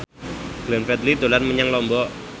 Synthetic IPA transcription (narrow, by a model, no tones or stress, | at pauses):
ɡ̥lɛnfɛt̪̚lid̪o̤lanməɲaŋlɔmbɔ